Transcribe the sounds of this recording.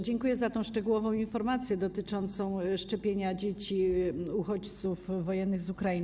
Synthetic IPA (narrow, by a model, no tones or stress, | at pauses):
d͡ʑɛŋkujɛzat̪ɔ̃w̃ʂt͡ʂɛɡuwɔvɔ̃w̃infɔɾmat̪sʲjɛd̪ɔt̪ɘt͡ʂɔnt̪sɔ̃w̃ʂt͡ʂɛpʲjeɲad͡ʑet͡ɕiuxɔt͡ɕt̪sufːɔjɛnːɘɣzukɾain